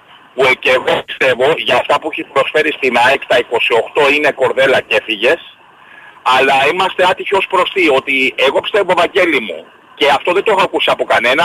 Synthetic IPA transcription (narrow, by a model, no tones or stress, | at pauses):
pueceɣoist̪e̞vo̞ʝɐːft̪ɐpuiçispɾo̞sfe̞ɾist̪inɐekt̪ɐiko̞sio̞xt̪o̞ine̞ko̞ɾðe̞lɐce̞fiʝe̞s | ɐlɐimɐst̪eɐt̪içio̞spɾo̞st̪io̞t̪ieɣo̞pi̥st̪evovɐɟe̞limṵ | ce̞ɐft̪o̞ðet̪oexoɐkusiɐpo̞kɐne̞nɐ